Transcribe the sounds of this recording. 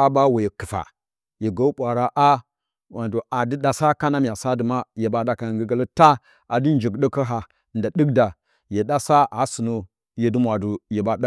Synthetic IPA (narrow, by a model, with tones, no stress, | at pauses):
a˦ba˦we˨je˨ki˨fa̰˨ | je˨ɡo˦ɓʷa˨ɾa˦ʔa˦ | wa˨ndo˨a˨di˦ɗa˨sa˦ka˦na˦m˨a˨sa˦də˨ma˦je˨ba˦da˨ka˨ŋɡə˦ɡa˦lə˦ta˦ | a˨di˦n˦d͡ʒi˨ɡɗə˦kə˦ɦa˨ | nda˨ɗə˦kda˨ | je˨ɗa˦sa˦a˨si˨nu˦ | je˨di˦mwa˨du˨je˨ba˨da˦